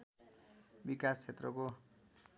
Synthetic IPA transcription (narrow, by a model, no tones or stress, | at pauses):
bikast͡sʰet̪rʌko